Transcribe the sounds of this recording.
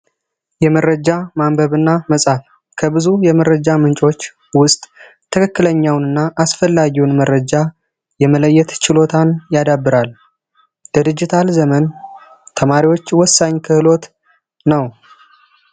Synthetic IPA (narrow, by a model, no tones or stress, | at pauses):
jɛməɾːəd͡ʒamambəβɨnːaməsʼaf | kʰəbɨzujɛməɾəd͡ʒamɨnt͡ʃʼo̞t͡ʃː | wʊst̪ʼ | t̪ʰəkʰəkːɨləɲːawnɨnːaʔasfəlːaɡiwnmərːəd͡ʒa | jɛmələjːɛt̪t͡ʃɪlo̞t̪ʰanjad̪abːɨɾal | d̪̥ɨd̪ɨd͡ʒɪt̪ʰalzəmən | t̪ʰəmaɾiwo̞t͡ʃːwɔsːaɲkʰɨhɨlo̞t̪ | nəw